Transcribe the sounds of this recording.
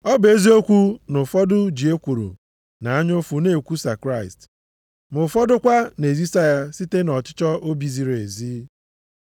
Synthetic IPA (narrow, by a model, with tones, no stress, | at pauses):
ɔ˦be˦zi˦o˦kʷu˦nʊ˨fɔ˦dʊ˦d͡ʒi˨e˦kʷu˨ɾṵ˨ | na˨a˦ɲʊ˦fu˨ne˨kʷu˦sa˨kɾa˦˨ɪ˨st | mʊ˨fɔ˦dʊ˦kʷa˦ne˨zi˦sa˦ja˦si˦te˦nɔ˨t͡ʃɪ̥˦t͡ʃɔ˦ʔo˦bi˨zi˨ɾe˨zi˦